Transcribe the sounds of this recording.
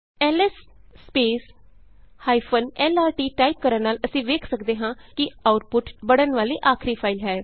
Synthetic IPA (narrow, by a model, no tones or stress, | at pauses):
ɛːlɛsːpeːs | haːipʰənɛːlaːɾʈiːʈaːip̚kəɾəɾnaːləsĩːʋeːkʰsəkd̪eːɦãːkɪaːʊʈ̚pʊʈbəɽənʋaːliːʔaːkʰɾiːpʰaːɪlɦɛː